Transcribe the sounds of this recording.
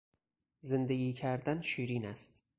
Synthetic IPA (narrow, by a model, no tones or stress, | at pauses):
zend̪eɡʲiːkʰæɾd̪ænʃiːɾiːnæst̪